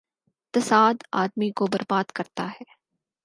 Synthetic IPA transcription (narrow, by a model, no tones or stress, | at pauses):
t̪ɐsaːd̪aːd̪mikobɐɾbaːd̪kɐɾt̪aɦɛː